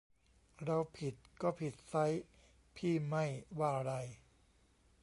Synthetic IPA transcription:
ɾa˧wpʰi˨˩t̪̚kɔː˥˩pʰi˨˩t̪̚sa˦˥j | pʰiː˥˩ma˥˩jwaː˥˩ɾa˧j

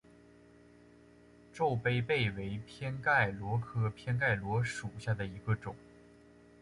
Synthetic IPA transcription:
ʈ͡ʂo˥˧ʊpe˥ɪpe˥˩ɪwe˧˥ɪpʰjɛ˥nka˥˩ɪlwɔ˧˥kʰɤ˥pʰjɛ˥nk̬a˥˩ɪlwɔ˧˥ʂu˨˩ɕja˥˩d̪ə˩i˧˥ɡə˧ʈ͡ʂʊ˨˩˦ŋ

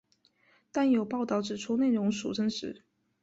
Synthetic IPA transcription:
t̪a˥˩njo˨˩ʊpɑ˥˧ʊt̪ɑ˨˩ʊʈ͡ʂɻ̩˨˩ʈ͡ʂʰu˥ne˥˩ɪɻʊ˧˥ŋʂṵ˨˩ʈ͡ʂʰə˥ŋʂɻ̩˧˥˦

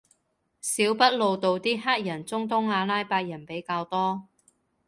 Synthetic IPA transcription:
siː˨˥wpɐ˥t̚lo˨˧wt̪o˨˧wt̪iː˥ɦaː˥k̚jɐ˨˩nt͡sʊ˥ŋt̪̬ʊ˥ŋaː˧laː˥jpaː˧k̚jɐ˨˩npe˨˥jkaː˧wt̪ɔː˥

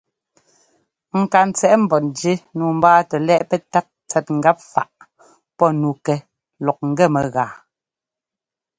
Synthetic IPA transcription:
ŋ̩˨ka˨n̩˨t͡sɛ˦ʔm̩˨bɔ˨nd͡ʒe˦nuː˨m̩˦baː˦tɛ˨lɛ˦ʔpɛ˦ta˦t̚t͡sɛ˨t̚ŋ̩˨ɡa˦p̚fa̰˨ʔ | pɔ˦nu˨kɛ˨ | lɔ˨k̚ŋ̩˨ɡɛ˦˨mɛ˨ɣaː˨

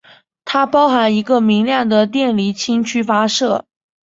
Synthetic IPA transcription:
t̪ʰa˥pɑ˥ʊxa˧˥ni˧˥ɡə˧mi˧˥ŋljɑ˥˩ŋd̪ə˩t̪jɛ˥˩nli˧˥t͡ɕʰi˥ŋt͡ɕʰy˥fa˥ʂɤ˥˩

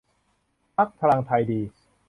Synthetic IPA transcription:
pʰa˦˥k̚t̪ʰa˧laː˧ŋt̪ʰa˧jdiː˧

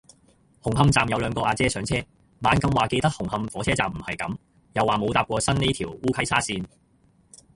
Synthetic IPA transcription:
hʊ˨˩ŋhɐ˧mt͡saː˨mjɐ˨˧wlœː˨˧ŋkɔː˧ʔaː˧t͡sɛː˥sœː˨˥ŋt͡sʰɛː˥ | maː˨˥nkɐ˧mwaː˨ke˧jt̪ɐ˥k̚hʊ˨˩ŋhɐ˧mfɔː˨˥t͡sʰɛː˥t͡saː˨m̩˨˩hɐ˨jkɐ̰˨˥m | jɐ˨˧wːaː˨mo˨˧wt̪aː˧p̚kʷɔː˧sɐ˥nne˥t̪ʰiː˨˩wuː˥kʰɐ˥jsʰaː˥siː˧n

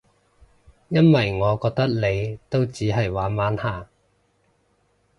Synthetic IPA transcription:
jɐ˥nwɐ˨˩jŋɔː˨˧kɔː˧k̚t̪ɐ˥k̚le˨˧jt̪o˥wt͡siː˨˥ɦɐ˨˩jwaː˨˥nmaː˨˥nhaː˨˩

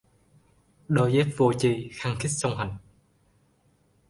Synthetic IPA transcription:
ɗo˧jze˦˥t̚vo˧t͡ɕi˧˩xaː˧ŋt̪ʰi˦˥k̚sə˧wŋ͡mɦa˨˩jŋ

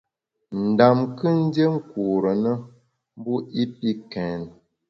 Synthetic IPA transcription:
n̩˨da˨mkə˦n̩˦dje˦ŋ̩˦ku˨ɾə˨nə˦ | m˦bu˦i˦pi˦kɛ˨n˨

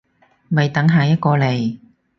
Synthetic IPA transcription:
mɐ˨˩jt̪ɐ˨˥ŋɦaː˨jɐ˥t̚kɔː˧le˨˩j

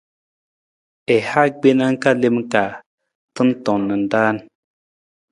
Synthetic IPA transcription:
ɛ˨ha˦ɡ͡be˦na˦ŋ̩˦ka˦le˦m˦ka˨ | tə˦n˦tɔ˨nə˨n̩˨daː˦n

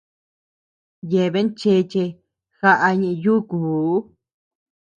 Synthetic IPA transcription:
je˨βe˦nt͡ʃe˧t͡ʃe˧ | xa˧ʔa˧ɲĩ˧juː˦kuː˨˦

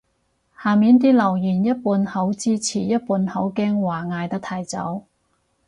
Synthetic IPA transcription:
haː˨miː˨˥nt̪̬iː˥lɐ˨˩wjyː˨˩njɐ˥t̚puː˨˥nhɐ˨˥wt͡siː˥t͡sʰiː˨˩jɐ˥t̚puː˧nhɐ˨˥wkɛː˥ŋwaː˨˩ŋaː˧jt̪ɐ˥k̚t̪ʰaː˧jt͡sɐ̰˨˥w

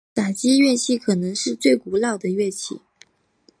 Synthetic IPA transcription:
t̪a˨˩t͡ɕi˥ɥɛ˥˧t͡ɕʰi˥˩kʰɤ˨˩nɤ˧˥ŋʂɻ̩˥˧t͡swe˥˩ɪku˧˥lɑ˥˩ʊd̪ə˩ɥɛ˥˧t͡ɕʰḭ˥˩

